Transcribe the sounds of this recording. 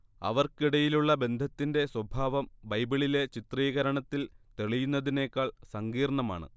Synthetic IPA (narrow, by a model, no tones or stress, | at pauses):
ɐ̰ʋɐrkiɽɐjiluɭːɐbe̞nd̪ʱɐt̪ːinde̞swɐbʱaːʋɐmbɐjbiɭile̞t͡ɕit̪riːɣɐɾɐɳɐt̪ːilt̪e̞ɭijunːɐðine̞ːkːaːɭsɐŋɡiːrɳɐma̰ːɳɨ̰